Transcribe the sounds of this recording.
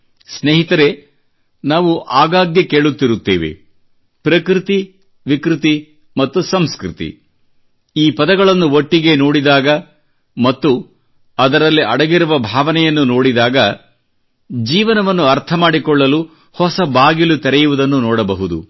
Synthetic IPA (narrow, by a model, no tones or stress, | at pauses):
sneɦit̪ɐɾe̞ | naːʋuʔaːɡaːɡjɐke̞ːɭut̪ːiɾut̪ːḛːʋe̞̰ | pɾɐkɾit̪i | ʋikɾit̪i | mɐt̪ːusɐmskɾḭt̪ḭ | iːpɐd̪ɐɡɐɭɐnːuoʈːiɡe̞noːɽid̪aːɡɐ | mɐt̪ːu | ɐd̪ɐɾɐlːiʔɐɽɐɡiɾuʋɐbʱaːʋɐnɛjɐnːuno̞ːɽid̪aːɡɐ | d͡ʒiːʋɐnɐʋɐnːuɐɾt̪ʰɐmaːɽikɔɭːɐlu | hɔsɐbaːɡilut̪ɛɾɛjuʋud̪ɐnːunɔːɽɐbɐɦud̪ṵ